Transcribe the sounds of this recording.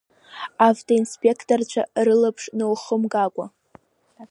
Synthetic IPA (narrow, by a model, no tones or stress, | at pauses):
avtʰoinspʼe̞kʰtʼort͡ɕʷʰa̰rɨlapʰʂnowχəmɡakʷʼa